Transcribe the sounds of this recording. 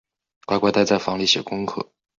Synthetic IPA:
kwa˥˧ɪkwa˥t̪a˥ɪt͡sa˥˩ɪfɑ˧˥ŋli˥˩ɕɛ˨˩kʊ˥ŋkʰɤ̰˥˩

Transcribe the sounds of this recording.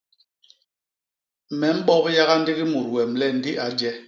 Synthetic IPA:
mɛ˨˦m̩˦ɓɔ˦kja˦ɣa˦n̩˦di˦ɣi˦mu˨ɾ̚wɛ˨mlɛ˦n̩˦di˦ʔa˨˦d͡ʒɛ˦

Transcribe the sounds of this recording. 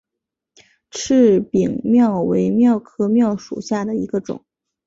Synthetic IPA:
ʈ͡ʂʰɻ̩˥˩pi˨˩ŋmjɑ˥˩ʊwe˧˥ɪmjɑ˥˧ʊkʰɤ˥mjɑ˥˩ʊʂṵ˨˩ɕja˥˩d̪ə˩i˧˥ɡə˧ʈ͡ʂʊ̰˨˩˦ŋ

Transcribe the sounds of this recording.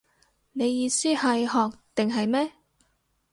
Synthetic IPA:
ne˨˧jjiː˧siː˥hɐ˨jhɔː˨k̚t̪ɪ˨ŋɦɐ˨jmɛː˥

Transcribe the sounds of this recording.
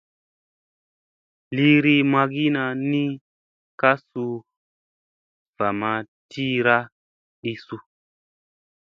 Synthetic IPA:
li˧ɾi˧ma˧ɡi˦na˧nĩ˦ | ka˦su˧ | v̥a˨ma˧ | tʰi˦ɾa˦ | ɗi˧su˧

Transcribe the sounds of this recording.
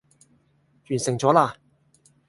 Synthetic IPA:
jyː˨˩nsɪ˨˩ŋt͡sɔː˨˥laː˧

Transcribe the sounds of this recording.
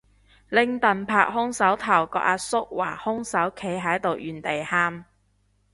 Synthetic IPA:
lɪ˧ŋt̪ɐ˨npʰaː˧k̚hʊ˥ŋsɐ˨˥wt̪ʰɐ˨˩wkɔ̰ː˧k̚ʔaː˧sʊ˥k̚waː˨˩hʊ˥ŋsɐ˨˥wkʰe˨˥jɦɐ˨˥jt̪o˨wjyː˨˩nt̪e˨jhaː˧˥m

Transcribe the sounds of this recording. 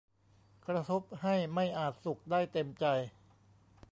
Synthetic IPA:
kʰɾa˧t̪ʰo˦˥p̚ha˥˩jma˥˩jʔaː˨˩t̪̚su˨˩k̚daː˥˩jt̪e˧mt͡ɕa˧j

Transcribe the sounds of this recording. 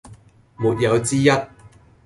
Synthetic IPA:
muː˨t̚jɐ˨˧wt͡siː˥jɐ˥t̚

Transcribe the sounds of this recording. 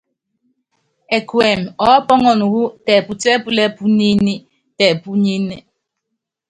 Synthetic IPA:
ɛ˨kwɛ˨mɔ˨˦pɔ˦ŋɔ˨nu˨wu˦tɛ˨pu˨tɛ˦pu˦lɛ˦pu˦ni˦ni˦ | tɛ˨pu˦ɲi˦nɛ˨

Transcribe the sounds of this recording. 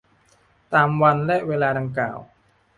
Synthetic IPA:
t̪aː˨˧mwa˧nlɛ˦˥ʔweː˧laː˧da˧ŋkla̰ː˨˩w

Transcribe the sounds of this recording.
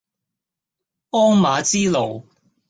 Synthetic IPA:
ɔː˥ŋmaː˨˧t͡siː˥lo˨˩w

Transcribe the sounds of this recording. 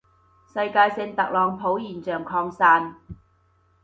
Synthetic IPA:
sɐ˧jkaː˧jsɪ˧ŋt̪ɐ˨k̚lɔː˨˩ŋpʰo˨˥wjiː˨˩nt͡sœː˨˩ŋkʰɔː˧ŋsaː˧n

